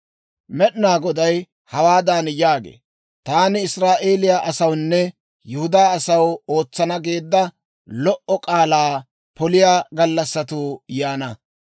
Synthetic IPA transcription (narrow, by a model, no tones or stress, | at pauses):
mɛɗɪnaːɡɔd̪ɐj | hɐwaːd̪anjaːɡḛː | t̪aːnɪɪsɾaːʔe̞ːlɪjaʔɐsɐwnːɛ | jʊhʊd̪aːɐsɐwo̞ːt͡sːɐnɐɡe̞ːd̪ːɐ | lɔʔɔkʼaːlaː | pɔlɪjaːɡɐlːɐsːɐt̪uːjaːnɐ